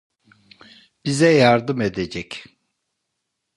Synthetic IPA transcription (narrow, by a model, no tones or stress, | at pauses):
b̥izɛjaɾd̪ɯmed̪ed͡ʒɛc